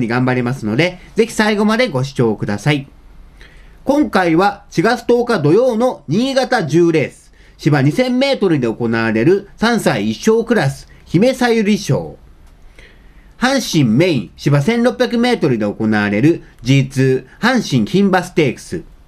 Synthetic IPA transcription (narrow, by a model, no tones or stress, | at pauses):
ɲ̟iɡãmbaɾʲimasɨno̞d̪e̞d͡ze̞çʲi̥saiɡo̞mad̪e̞ɡo̞ɕi̥t͡ɕo̞ːkɯ̟d̪asai | kõ̞ŋkaiβaɕiɡat͡sɨ̥t̪o̞ːkad̪o̞jo̞ːno̞ɲ̟iːɡat̪aʑɨːɾe̞ːsɨ̥ | ɕibaɲ̟isẽ̞mːe̞ːt̪o̞ɾɯ̟d̪e̞oko̞naaɾe̞ɾɯ̟sãɰ̃saiːɕːo̞ːkɯ̟ɾasɨ̥çime̞saiɾʲiɕo̞̰ː | hãɰ̃ɕĩmmẽ̞ĩɕibasẽ̞nɾo̞pʲjakɯ̟me̞ːt̪o̞ɾɯ̟d̪e̞o̞ko̞naaɾe̞ɾɯ̟d͡ʑiːt͡sɨːhãɰ̃ɕĩɰ̃çĩmbasɨ̥t̪e̞ːkɯ̥sɨ̰